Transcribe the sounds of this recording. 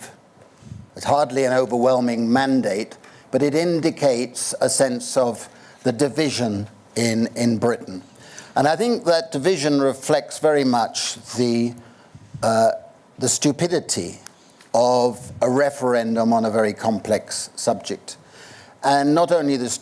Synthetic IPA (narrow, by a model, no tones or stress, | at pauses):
ɨshɑɹdˡliɨ̃noʊvə˞wɛlˠmɪ̃ŋmæ̃ndeɪt̚b̥ʌɾɨɾɪ̃ndɨkʰeɪtsəsɛ̃nsʌv | ðɨdɨvɪʒɨ̃n | ɪ̃nɪ̃nbɹɪʔn̩ | ʔə̃ñaɪθɪ̃ŋk̚ðɨt̚d̥ɨvɪʒɨ̃nɹɨflɛk̚tsvɛɹimʌt͡ʃðɨ | ðɨstʉpɪɾɨɾḭ | ʌvəɹɛfə˞ɛ̃ndə̃mə̃nəvɛɹikʰɑ̃mpʰlɛksʌb̚d͡ʒɨk̚t | ʔə̃nːəɾõʊ̃nliðɨs